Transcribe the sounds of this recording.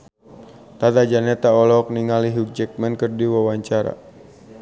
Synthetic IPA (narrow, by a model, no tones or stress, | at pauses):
t̪at̪ad͡ʒanɛt̪aɔlɔk̚niŋaliɦuk̚d͡ʒɛk̚mɛnkərdiwawaɲt͡ʃaɾa̰